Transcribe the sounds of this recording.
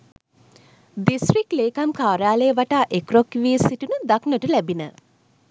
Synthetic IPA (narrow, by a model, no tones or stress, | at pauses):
d̪isʈrikleːkamkaːɾjaːləjəʋaʈaːʔekrokʋiːsiʈunəd̪aknəʈəlæbinə